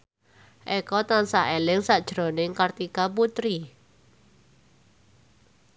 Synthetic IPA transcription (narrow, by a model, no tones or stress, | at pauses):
ʔɛkɔt̪ansaʔelɪŋsad̥ʒ̥ɾɔ̤nɪŋkart̪ikaput̪ɾi